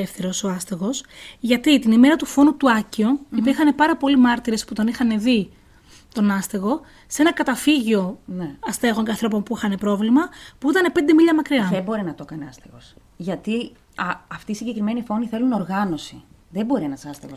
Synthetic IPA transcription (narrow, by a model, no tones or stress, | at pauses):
efθeɾo̞so̞ɐst̪eɣo̞sʝɐt̪it̪inime̞ɾɐt̪ufo̞nut̪uɐcioipiɾxɐne̞pɐɾɐpo̞limɐɾt̪iɾe̞sput̪o̞nixɐne̞ði | t̪o̞nɐst̪eɣo̞ | senɐkɐt̪ɐfiʝio̞neɐst̪e̞ɣo̞ɲceɐnθɾo̞po̞npuixɐne̞pɾo̞vlimɐpuit̪ɐne̞pe̞nd̪e̞miʎɐmɐkɾiɐðebo̞ɾinɐt̪o̞kɐneɐst̪eɣo̞̰s | ʝɐt̪i | ɐɐft̪iːsiɲɟe̞kɾime̞nifo̞niθe̞luno̞ɾɣɐno̞siðebo̞ɾienɐsɐst̪eɣo